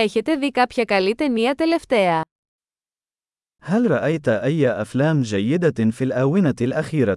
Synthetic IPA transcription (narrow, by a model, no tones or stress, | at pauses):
eçet̪e̞ðikɐpçɐkɐlit̪eniɐt̪e̞le̞ft̪e̞ɐ | halɾˤɑʔajt̪aʔajːaʔaflaːmd͡ʒajːɪd̪afilʔawɪnalʔaxiːɾa